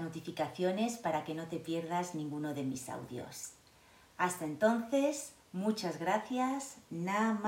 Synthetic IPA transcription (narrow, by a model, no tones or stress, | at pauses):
not̪ifikaθjo̞ne̞spaɾake̞no̞t̪e̞pje̞ɾðaznĩŋɡuno̞ðe̞misa̰wðjo̞̰s | ast̪ae̞nt̪o̞nθe̞z | mut͡ʃazɣɾaθjaznam